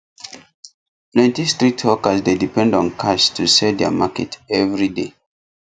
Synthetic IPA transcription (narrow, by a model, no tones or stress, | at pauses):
plɛ̃ntistɹitʰwɔkəsdedipɛ̃ndɔ̃nkʰaʃtʰusɛdɛa̰makɛ̰tɛvɹide